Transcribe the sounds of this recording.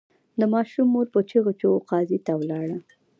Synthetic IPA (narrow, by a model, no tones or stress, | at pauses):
d̪əmɑʃumːoɾpət͡ʃiɣot͡ʃoqɑzit̪awlɑɽa